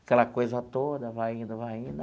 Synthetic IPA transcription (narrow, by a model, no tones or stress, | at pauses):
akɛlɐkojzɐt̪od̪ɐvajĩnd̪ʊvajĩnd̪